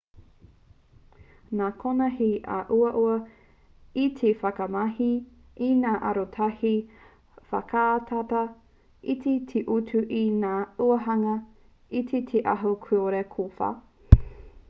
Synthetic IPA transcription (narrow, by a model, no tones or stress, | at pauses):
naːkʰonɐɦiʔɐ̰ʔuɐʔuɐ | itʰefɐkɐmɐhi | inaːʔɐɾotʰɐhi | fɐkʰaːtʰatɐ | itʰetʰeʔutʰuʔinaːuɐɦɐŋɐ | itʰetʰeʔɐɦokʰuoɾekʰofa̰